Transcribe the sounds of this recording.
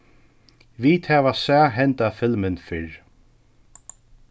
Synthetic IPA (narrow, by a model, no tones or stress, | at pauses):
viːt̪hɛːvasaːɦɛnt̪afɪlmɪnfɪɹ